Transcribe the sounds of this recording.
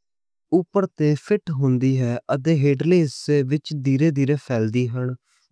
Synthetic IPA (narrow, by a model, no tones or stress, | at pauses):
ʊpːəɾt̪eːpʰɪʈɦʊ̃nd̪iːɦɛːʔət̪ẽːɦeːɖleːseʋɪt͡ʃd̪iːɾeːd̪iːɾeːpʰɛːld̪iːɦəɳ